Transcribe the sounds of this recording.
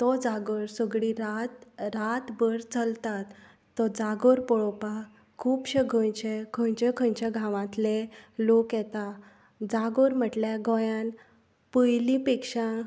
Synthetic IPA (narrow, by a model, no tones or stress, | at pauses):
t̪ɔd͡zaɡoɾsəɡɽiɾat̪ɾat̪bəɾt͡səlt̪at̪ː | ɔd͡zaɡoɾpɔɭɔpa | kʰuːpɕəɡʱojt͡ɕekʰõjt͡ɕekʰə̃ɲt͡ɕaɡʱãʋãt̪lelokjɛt̪a | d͡zaɡoɾm̤əʈljaɡʱɔjan | pəjlĩpikʂã